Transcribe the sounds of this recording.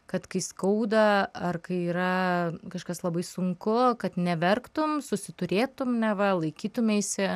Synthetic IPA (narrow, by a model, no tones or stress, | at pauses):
kɐt̪kɐɪskɐʊd̪ɐɐrkɐɪiːɾɐkɐʃkɐslˠɐbɐɪsʊŋkʊkɐt̪nʲɛʋʲɛrkt̪ʊmsʊsʲɪt̪ʊɾʲeːt̪ʊmnʲɛʋɐlˠɐɪkʲiːt̪ʊmʲeːsʲɪ